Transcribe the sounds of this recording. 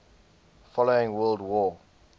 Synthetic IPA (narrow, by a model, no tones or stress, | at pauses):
fɔloɪ̃ŋwɜːlˠdwɔ